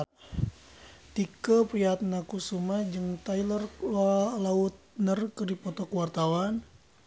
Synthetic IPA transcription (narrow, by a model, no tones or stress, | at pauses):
t̪ikəpɾiat̪̚nakusumad͡ʒɨŋt̪ajlər | laut̪̚nərkɨrdipɔt̪ɔkwart̪awan